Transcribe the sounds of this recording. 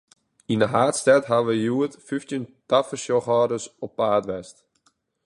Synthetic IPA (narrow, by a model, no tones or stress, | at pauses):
inəɦaːtstɛtɦaʋəjuətfyftjəntafəʃɔxɔːdəsɔpːaːtʋɛst